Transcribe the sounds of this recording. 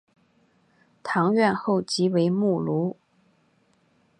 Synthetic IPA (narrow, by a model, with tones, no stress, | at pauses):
t̪ʰɑ˧˥ŋɥɛ˥˧nxo˥˩ʊt͡ɕi˧˥we˧˥ɪmu˥˩lu˧˥